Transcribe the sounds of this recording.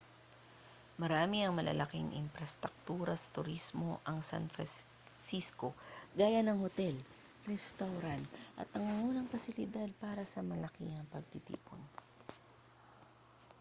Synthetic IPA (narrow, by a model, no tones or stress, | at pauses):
mɐɾaːmɪɐŋmɐlɐ̰lʔɐkiŋʔɪ̰mpɾɐst̪ɾʊk̚t̪uːɾɐsɐ̥t̪ʊɾismo̞ʔɐŋsa̰nfɾɐ | sisko̞ɡaːjanɐŋhot̪ɛl | ɾɛst̪awɾant̪ʔɐ̰t̪ɐŋmɐŋuːnɐŋpɐsɪlɪd̪ad̪̚paːɾɐsɐmɐlɐkiɐŋpɐɡ̚t̪ɪt̪ḭːpo̰n